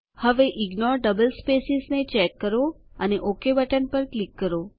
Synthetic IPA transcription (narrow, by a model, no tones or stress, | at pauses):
həʋeʔiɡnɔɾɖəbəlspesiznet͡ʃɛkːəɾo | əneʔokebəʈənpəɾklikːəɾo